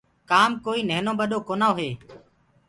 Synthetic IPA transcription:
kaːmkoːiːneːnõːɓəɗoːkoːnaːɦeː

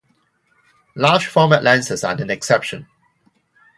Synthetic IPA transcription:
laːd͡ʒfɔːməʔlɛ̃nsəsa̰nə̃nɛksɛpʃə̃n

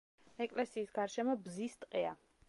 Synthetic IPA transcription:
ɛkʼlɛsiːsɡaɾʃɛmɔbzist̪ʼqʼɛa̰

